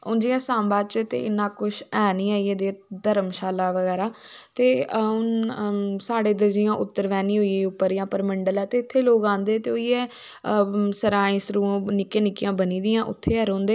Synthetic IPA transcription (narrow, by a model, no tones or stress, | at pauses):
ʊnd͡ʒiːãːsãːmbaːt͡ʃt̪ḛːɪnːãːkʊʃɛːniːaːiːeːd̪eːd̪əɾəmʃaːlaːʋəɡɛːɾaːt̪eːʊn | saːɽeːd̪əɾd͡ʒɪjãːʔʊt̪ːəɾʋɛːniːɦoːieʊpːəɾijãːpəɾməɳɖəlɛːt̪eːɪt̪ʰːeːloːɡãːnd̪eːt̪eːoːiɛː | səɾãːĩːsəɾuːõːnɪkẽːnɪkɪjãːbəniːd̪ɪjãːʔʊ̰t̪ʰːeːɦəɾõːnd̪eː